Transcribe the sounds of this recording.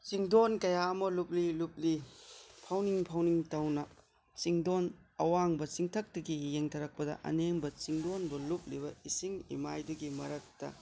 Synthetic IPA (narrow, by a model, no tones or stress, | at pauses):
t͡ʃiŋdonkɐjaɐmɐlup̚lilup̚lipʰawniŋpʰawniŋtɐwnɐ | t͡ʃiŋdon | ɐwaŋbɐt͡ʃiŋtʰɐk̚tɐɡijeŋtʰɐɾɐk̚pɐdɐ̰ʔɐ̰neŋbɐt͡ʃiŋdonbɐlup̚libɐisiŋḭmajduɡimɐɾɐk̚tɐ̰